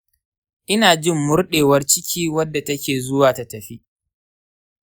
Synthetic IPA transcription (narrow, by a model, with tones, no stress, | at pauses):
ʔɪ˦naː˨d͡ʒɪ˦˨mːʊ˦rɗeː˨wɐ˦rt͡ʃɪ˦kʲʰiː˦wɐ˦dːa˨tɐ˦kʲeː˨zʊ˦waː˨ta˨tɐ˨ɸi˦ʔ